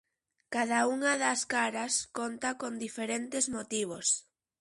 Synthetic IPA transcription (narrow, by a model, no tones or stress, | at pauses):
kaðauŋaðaskaɾaskont̪akond̪ifeɾent̪ezmot̪iβ̞os